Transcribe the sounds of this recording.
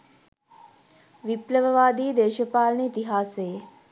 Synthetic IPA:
ʋipləʋəʋaːd̪iːd̪eːʃəpaːlniːt̪iɦaːseː

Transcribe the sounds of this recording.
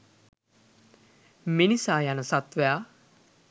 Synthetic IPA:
minisaːjanəsat̪ʋəja

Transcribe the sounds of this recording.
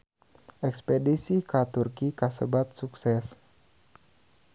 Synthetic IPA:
ʔɛkspedisikat̪urkikasəbat̪̚suksɛs

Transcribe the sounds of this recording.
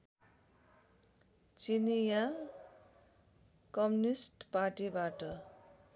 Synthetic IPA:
t͡sinija | kʌmjunisʈparʈibaʈʌ

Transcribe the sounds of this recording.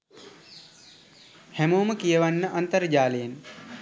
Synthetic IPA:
hɛmoːməkijəʋanːəʔant̪əɾəd͡ʒaːləjen

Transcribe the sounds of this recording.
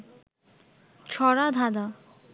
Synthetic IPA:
t͡ɕʰɔɾad̪ʱad̪a

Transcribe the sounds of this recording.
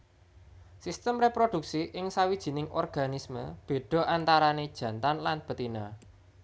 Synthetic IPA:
sist̪əmrepɾod̥ṳk̚siʔɪŋsawid̥ʒ̥i̤nɪŋʔɔ̰rɡ̥a̤nismə̰b̥e̤ɖ̥ɔ̤ʔant̪aɾaned̥ʒ̥ä̤nt̪anlanb̥ə̤t̪ina

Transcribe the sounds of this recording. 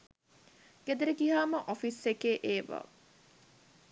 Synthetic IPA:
ɡ̥ed̪eɾiɡiɦaːməʔofisekeːʔeːʋə̰

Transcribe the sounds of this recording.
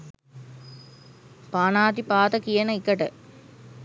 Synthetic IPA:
paːnaːt̪ipaːt̪əkijɐnəikəʈə

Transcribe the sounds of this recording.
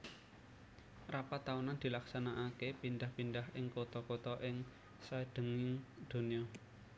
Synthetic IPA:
rapat̪aunand̪̥i̤laksanaʔakepindahpindahɪŋkot̪ɔkot̪ɔʔɪŋ | saɖ̪̥ə̤ŋɪŋd̪̥o̤niɔ

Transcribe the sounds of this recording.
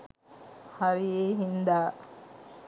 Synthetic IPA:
haɾijeːɦind̪aː

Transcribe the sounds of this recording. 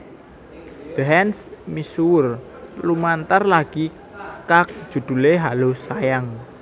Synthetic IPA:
d̪̥ɦɛnsmisuʊr | lumant̪ərlaɡ̥i | kak̚d̥ʒ̥ṳd̪̥ṳleɦalosajaŋ

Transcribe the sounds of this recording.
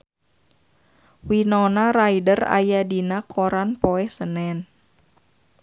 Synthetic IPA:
winonaɾajdəra̰jadinakʰoɾanpɔɛhsənɛn

